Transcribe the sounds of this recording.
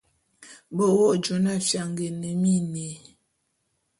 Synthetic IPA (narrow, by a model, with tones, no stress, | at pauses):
bo˦˨wɔ˦˨d͡ʒo˨˦na˦˨fja˨ŋɡe˨nə˨mi˦ne˨